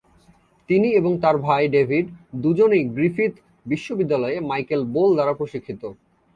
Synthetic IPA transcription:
t̪inieboŋt̪aɾbʱajɖebʱiɖd̪ud͡ʑoniɡɾifit̪ | biʃːobid̪ːalɔemajkelbold̪aɾapɾoʃikʰːit̪o

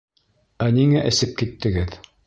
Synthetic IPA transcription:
æniŋæʔɘ̆sɘp̚kit̪ːɘ̆ɡɘð

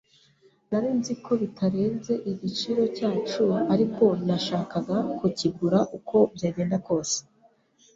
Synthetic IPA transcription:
naɾiːnzikʰo̞βitʰaɾe̞ːnze̞ʔiɟit͡ʃiɾo̞caːt͡ʃuaɾiko̞naʃaːkaɡakuciɡuɾaʔukʰo̞bɟeːɟe̞ːndako̞ːse̥

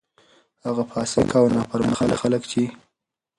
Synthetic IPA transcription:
haɣapɑsɪkʰaːwnɑpəɾməxala̰xaləkt͡ʃi

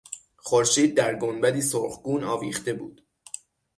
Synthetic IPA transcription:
χoɾʃiːd̪̚ːæɾɡonbæd̪iːsoɾχɡuːnɒːviːχt̪e̞bṵːd̪̥

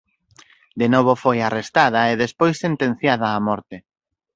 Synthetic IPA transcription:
d̪enɔβ̞ofojarest̪aðɐeðespojsːent̪ẽn̟θjaðɐːmɔɾt̪e

